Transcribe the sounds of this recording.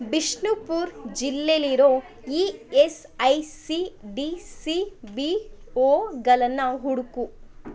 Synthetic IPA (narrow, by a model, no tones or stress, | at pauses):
biʂɳupuːɾd͡ʒilːeliɾoː | iːes | ɐjsiɖisibioːɡɐlɐnːɐɦuɽuku